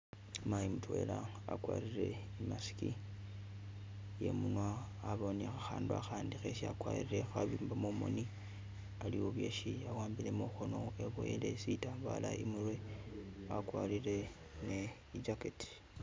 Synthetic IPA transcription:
majimutwe̞̰la | a̰kwa̰ːɾiɾe̞ | imasi̥ki | je̞̰munwaː | βonexaxaːndua̰xaːndixeʃiakwaːiɾe̞xaβiːmbamomo̰ni | aliwoβwje̞ʃiawaːmbile̞moxono̞e̞βojele̞sitaβa̰laʔimurwe̞ | akwaːliɾe̞ | ne | id͡ʒaketi̥

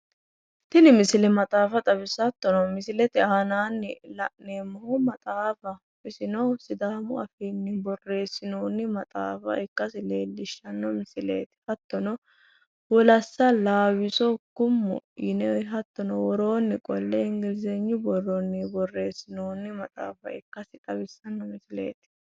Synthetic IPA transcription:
t̪ɪnɪmɪsɪlɛmɐt̪ʼaːfɐt̪ʼɐbɪsɐt̪ːɔnɔmɪsɪlɛt̪ɪaːnaːnːɪlɐʔneːmɐhɔmɐt̪ʼaːfɐ | pɪsɪnɔsɪd̪aːmʊɐfiːnːɪbɔrːe̞ːsːɪnoːnːɪmɐt̪ʼa̰ːfɐ̰ɪkːɐsɪle̞ːlːɪʃːɐnːɔmɪsɪlḛːt̪ɪ̥hɐt̪ːɔnɔ | wɔlɐsːɐlaːwɪsɔkʊmːʊ̰jɪnɛɦɐt̪ːɔnɔwɔɾo̞ːnːɪkʼɔlːɛɪŋɡɪlzɛɲːʊbɔɾonːɪbɔrːe̞ːsːɪnoːnːɪmɐt̪ʼa̰ːfɐ̰ɪkːɐsɪt̪ʼɐbɪsːɐnːɔmɪsɪlḛːt̪ɪ̥

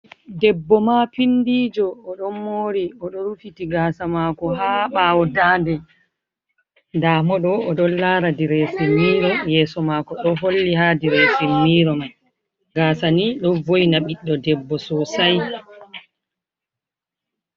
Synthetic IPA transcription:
dɛbːɔmapindiːd͡ʒɔːɗɔmːoːɾiɔɗɔɾufitiɡaːsamakɔɦaːɓawɔdaːndɛ | ndaːmɔɗɔɔɗɔnlaːɾadiɾɛsimːiːɾɔjɛːsɔmakɔɗɔɦolːiɦadiɾɛsimːiːɾɔmaj | ɡaːsaniɗɔvojnaɓiɗːɔdɛbːɔsɔsaj

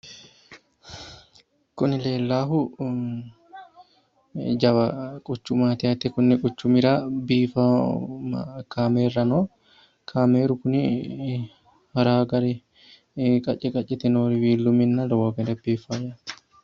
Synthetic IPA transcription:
kʊnɪleːlːaːɦʊ | d͡ʒɐβɐkʼʊt͡ʃːʊmaːt̪ɪɐt̪ɛkʊnːɛkʼʊt͡ʃːʊmɪɾaːbiːfamkaːmeːrːɐnoː | kʰaːmeːɾʊkʊnɪ | hɐɾaːɡɐɾɛ | kʼɐt͡ʃʼːɛkʼɐt͡ʃʼːɛt̪ɛnoːɾɪwiːlːʊmɪnːɐlɐwaɡɐɾɛbiːfajat̪

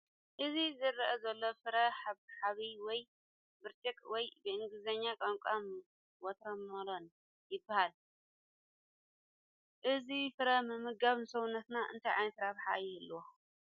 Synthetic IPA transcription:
ʔɨzizɨɾɐʔɐzɐlːofɨɾɐħaβħaβiwɔj | bɨɾt͡ʃʼikʼwɔjbɨɨŋɡɨzɐɲːakʼaŋkʷʼam | wɔt̪ɾɐmːɐɾon | jɪbːɐhal | ʔɨzifɨɾɐmɨmɨɡaβnɨsɐwunːɐt̪naʔɨ̰nt̪ʰajʕa̰jnɐt̪ɾaβħa̰ʔjɛlːwo

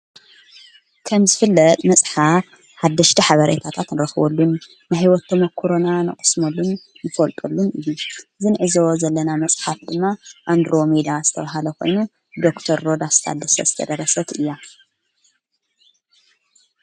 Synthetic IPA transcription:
kʰɐmzɨfɨlːɐt̪ʼmɐsʼħaf | ħad̪ːɐʃt̪ʰiħaβɐɾḛt̪ʰat̪ʰat̪nɨɾɐxɨβɐlːunː | ɨhiwɔt̪ʰːɐmɐkʰːuɾonanɨ̰χʼɨ̥smolːunː | ɨfɐlt̪ʼulːunʔɨjuzɨnʕɨzowzɐlːɐnamɐsʼħafd̪ɨmːaʔand̪ɾo̞mid̪azɨt̪ʰɐβaɦalɐkʰo̞̰jnu | d̪o̞kt̪ʰɐɾːo̞d̪ast̪ʰa̰d̪ːɐsɐ̰zɨt̪ʰɐ̰d̪ɐrːɐsɐt̪ʰɨjːa

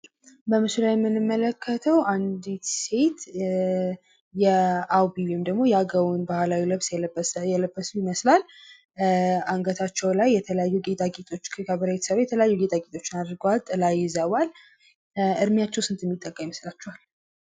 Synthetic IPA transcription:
bəmɨsulajɛmːɨnɨmːələkʰːət̪ʰəwʔand̪it̪se̞t̪ | jɛawbiwemd̪əɡmo̞jɛaɡəβunbahlawiləβsjɛləbːəsujɪməslal | aŋɡət̪ʰat͡ʃːɛwlajːɛt̪ʰələjajːuɡet̪ʼaɡʼet̪ʼo̞t͡ʃːkʰɨkʰaβəɾaet̪səɾjɛt̪ʰələjajːuɡet̪ʼaɡet̪ʼo̞t͡ʃːɪnad̪ɾɡəwalt̪ʼəlajːɪzəwal | ɨɾmijat͡ʃːɛwsɨnt̪ʰmːit̪ʼːəkʼːəmiməslat͡ʃːɛwal

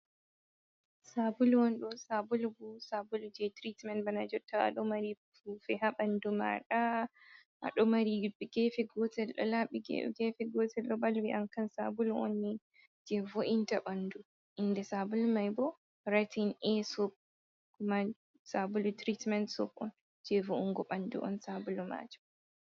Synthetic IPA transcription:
sabuluɔnɗɔsabulubusabulud͡ʒɛtɾitmɛntbanad͡ʒɔtʰːaa̰ɗɔmaɾi | fufɛhaɓanduma̰ɗa | ʔa̰ɗɔmaɾiɡɛfɛɡɔtɛlɗɔ̰laɓiɡɛ̰ɡɛfɛɡɔtɛlɾɔbalwiʔaŋkansabuluɔ̰nːi | d͡ʒɛvoʔintaɓandu | ʔindɛsabulumajbɔ | ɾatinɛsɔb̚ | kuma | sabulutɾitmɛntsɔbɔ̰n | d͡ʒɛvouŋɡɔɓandṵʔɔ̰nsabuluma̰ːd͡ʒɔ

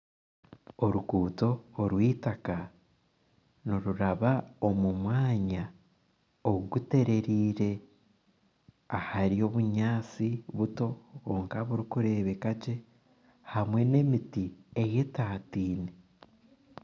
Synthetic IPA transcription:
oɾuɡuːto̞ːɾwiːtaka | noɾuɾaβao̞mumwaːɲa | oɡute̞ɾe̞ɾiːɾe̞ | ahaɾio̞ːβuɲaːt͡siβuto̞oŋkaβuɾikuɾe̞ːβe̞kaɟe̞ | hamwe̞ne̞mitieje̞taːtiːne

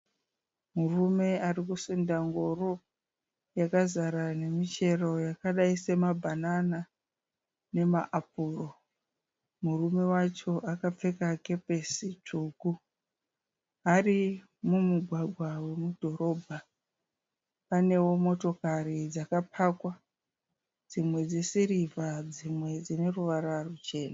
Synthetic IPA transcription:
murume̞arikusendaŋɡoro | jakazaɾane̞mit͡ʃe̞ro̞jakaɗaise̞mabʱanana | ne̞maʔap̚uːro̞ | murume̞wat͡ʃo̞ʔakap͡fe̞kake̞pe̞sit͡ʂuːku | ɦari | mumuɡʱwaɡʱwawe̞mudʱo̞ɾo̞ːbʱa | pane̞wo̞mo̞to̞karid͡zakapʰakwa | d͡zimwe̞d͡zesiɾivad͡zimwe̞d͡zine̞ruʋaɾarut͡ʃe̞ːna

